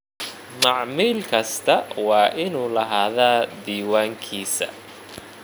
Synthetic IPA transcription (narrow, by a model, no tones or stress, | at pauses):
mɑʕmiːlkʰɐst̪ʰɐwɑːʔɪnuːlɐɦaːðaːd̪iːwaːŋkʰiːsɐ̰